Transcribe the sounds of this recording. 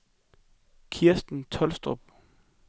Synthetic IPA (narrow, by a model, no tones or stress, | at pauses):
kʰiɐsd̥n̩t͡sʰɒ̽lsd̥ʁɔb̥